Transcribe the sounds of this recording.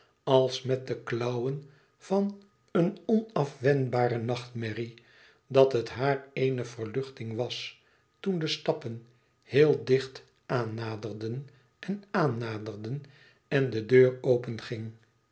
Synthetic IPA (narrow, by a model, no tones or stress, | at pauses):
ɑlˠsmɛt̚dəklʌwən | v̥ɑn | ənɔnɑfʋɛnbaːɾənɑχtmɛri | dɑtətɦaːɹejnəv̥ərlʏχtɪŋʋɑs | tundəstɑpən | hɪːlˠdɪχt | aːnːaːdərdən | ɛnaːnːaːdərdən | ɛndədøːrowpənχɪŋ